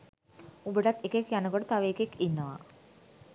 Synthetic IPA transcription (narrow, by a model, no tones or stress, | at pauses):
ubəʈat̪ekekjanəɡoʈət̪aʋeekekinːəʋa̰